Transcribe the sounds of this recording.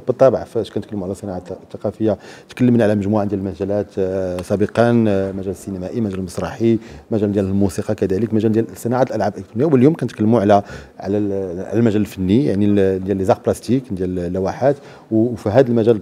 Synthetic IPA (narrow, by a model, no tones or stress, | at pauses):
bət̪ˤːɑbʕfʃkænt̪kəlːəmuʕlæsˤənɑʕat̪ːɑqɑfəjːat̪kəlːəmnʕalæməʒmuʕand̪jælmæʒælæt̪sˤɑbəqɑnmæʒæləsːinæmæʔimæʒælməsˤɾˤɑħimæʒæld̪jæləlmusiqɑkæd̪æləkmæʒæld̪jælsˤːənɑʕat̪əlʔælʕabʔəkt̪unjawəljumkænt̪kəlːmuʕlæʕlæʕlælmæʒæləlfənːija̰ʕnid̪jælizɑq̚plæst̪ikd̪jæləllːæwæħat̪ | wfiɦæd̪əlmæʒæl